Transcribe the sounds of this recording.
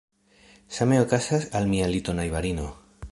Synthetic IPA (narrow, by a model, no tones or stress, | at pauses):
sameokasasalmialit̪onajβaɾino